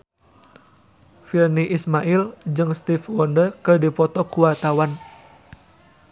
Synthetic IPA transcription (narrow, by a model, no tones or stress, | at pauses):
firniʔismaʔild͡ʒɨŋst̪ifwɔndəkɨdipɔt̪ɔkuwart̪awan